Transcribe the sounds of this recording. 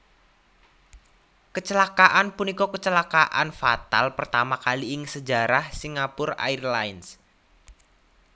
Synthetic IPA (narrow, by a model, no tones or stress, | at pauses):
kət͡ʃəlakaʔanpunikɔkət͡ʃəlakaʔanfa̰t̪a̰lpərt̪amakaliɪŋsəd͡ʒa̤ɾahsiŋapʊra̰ɪrlaɪns